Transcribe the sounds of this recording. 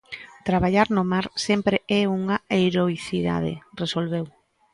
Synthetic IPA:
t̪ɾaβaʎaɾnomaɾsɛmpɾeɛuŋaeɾoiθiða̰ðḛresolβew

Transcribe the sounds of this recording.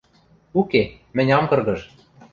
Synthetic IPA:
uke | mɘ̆nʲɑmkɤ̆rɣɤ̆ʃ

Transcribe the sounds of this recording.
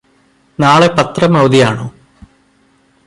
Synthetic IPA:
naːɭe̞pɐt̪rɐmɐwd̪ijaːɳoː

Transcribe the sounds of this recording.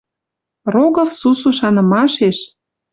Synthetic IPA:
roɣɤ̆fsusuʃɑnɤ̆mɑʃeʃ

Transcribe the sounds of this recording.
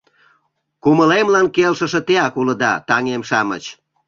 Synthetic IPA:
kuməlemlɑnkelʃəʃĕt̪eɑkulə̆d̪ɑt̪ɑŋemʃɑmə̰t͡ɕ

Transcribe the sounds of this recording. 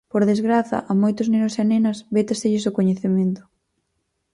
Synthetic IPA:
poɾðezɣɾaθɐ̰ʔɐmojt̪ʊznenʊseanenɐsbet̪ɐst̪eʎɪsʊkoɲeθement̪ʊ̥

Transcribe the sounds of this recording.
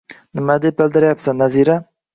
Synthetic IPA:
nəmad̪ebəld̪əɾjapsanaziɾa

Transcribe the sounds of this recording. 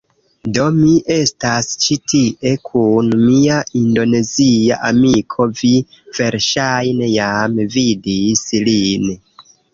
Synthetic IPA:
do̞miʔe̞stast͡ʃitʰiʔe̞kʰunmiaʔindo̞ne̞zia̰ʔamikʰo̞vi | v̥e̞ɾʃajnejamvidislin

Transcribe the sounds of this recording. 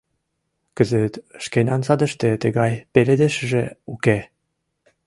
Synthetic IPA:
kə̆zə̆t̪ʃkenʲɑnsɑd̪ə̆ʃt̪ĕt̪ə̆ɣɑjpeled̪eʃə̆ʒĕuke

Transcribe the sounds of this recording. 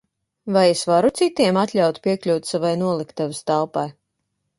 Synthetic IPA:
vajesvaɾut̪sit̪iɛmat̪lʲawt̪pʲiɛklʲuwt̪ʲsavajnuɔlˠikt̪avɨst̪alˠpaj

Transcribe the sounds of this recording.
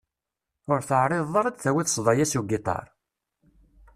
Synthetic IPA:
ʊɾθəʕɾˤeðˤːɑɾˤɑd̪θæwiθə̥sˤðˤɑjæsuɡit̪ˤɑ̰ɾˤ

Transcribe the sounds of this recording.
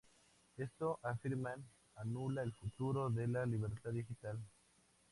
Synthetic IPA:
est̪oʔafiɾman | anulaelfut̪uɾo̞ðe̞laliβeɾt̪aððixit̪al

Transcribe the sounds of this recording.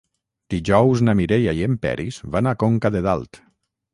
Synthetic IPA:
d̪̥iʒɔwznamiɾeʎaiempɛ̰ɾizβanakoŋkaðeða̰lˠt̪

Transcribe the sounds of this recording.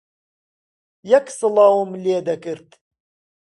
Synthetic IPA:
jaksɨlˠɑːwumleːd̪ɐkɨɾt̪

